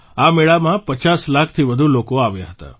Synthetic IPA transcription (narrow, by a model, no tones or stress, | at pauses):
ameɭamãpət͡ʃaslakʰt̪ʰiʋəd̪ʱulokoaʋjaɦət̪a̰